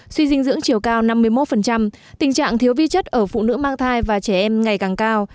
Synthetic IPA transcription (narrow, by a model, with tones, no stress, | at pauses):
swi˧zï˧ŋzɨ̰˧˥əŋt͡ɕi˨˩əwkaː˧wna˧mːɨ˧əjmo˦˥t̚fə˨˩nt͡ɕa˧m | t̪ï˨˩ŋ̟t͡ɕa̰ː˧˨ŋt̪ʰi˨˦əwvi˧t͡ɕə˦˥t̚ʔəː˧˩fṵ˧˨nɨ̰˧˥maː˧ŋt̪ʰaː˧jvaː˨˩t͡ɕɛ˧˩ʔɛ˧mŋa˨˩jkaː˨˩ŋkaː˧w